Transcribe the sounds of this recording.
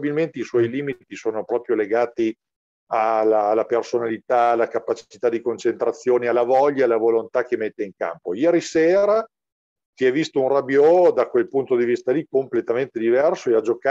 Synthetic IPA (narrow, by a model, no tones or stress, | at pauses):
bilment̪eiswɔjliːmit̪isoːnopɾɔːpɾjoleɡaːt̪i | alalːapersonalit̪aːlakapːat͡ʃi̥t͡ʃit̪ad̪ikont͡ʃent̪ɾat̪sːjoːnealːavɔʎːaalavolont̪ak̟emet̪ːeiŋka̰mpojɛːɾiseːɾa | t̪iɛvist̪ounrabjɔd̪akwelpunt̪od̪ivist̪alikomplet̪ament̪ed̪ivɛrsoead͡ʒoka